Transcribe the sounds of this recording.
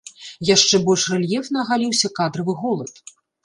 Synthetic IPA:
jaʂt͡ʂɛbɔlʲʂrɛlʲjɛfnɐɣalʲiwsʲɐkad̪ɾɐvɨɣɔlˠɐt̪

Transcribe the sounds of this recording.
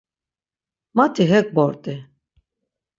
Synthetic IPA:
mat̪ʰiɦɛk̚bɔɾt̪ʼi

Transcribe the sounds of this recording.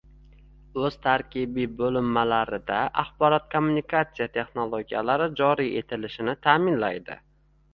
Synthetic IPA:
ɵz̥t̪ʰaɾkʲɪbibolɪmːalaɾɪd̪aʔaχbɒɾɒt̪kʰomːunikʰat̪sijat̪ʰe̞χnolˠoɡʲija̰laɾɪd͡ʒɒɾijʔe̞t̪ʰɪlɪʃɪnɪt̪ʰaːmɪnla̰jd̪ɪ̰

